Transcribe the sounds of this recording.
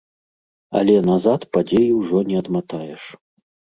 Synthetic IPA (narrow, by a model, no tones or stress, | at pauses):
ɐ̰lʲɛnazat̪pad͡zʲejiwʐɔnʲɛɐd̪mat̪ajɛʂ